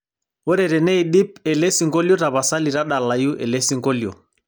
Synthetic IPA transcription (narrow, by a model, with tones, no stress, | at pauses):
ɔ˦ɾɛ˨ɾɛ˨nɛ˦i˨ɗi˦pɛ˨lɛ˦si˨ŋɡɔ˦ljɔ˦ɾa˨βa˨sa˦li˨ɾa˦ɗa˨la˨ju˦ʔɛ̰˨lɛ˦si˦ŋɡɔ˦ljɔ̰˨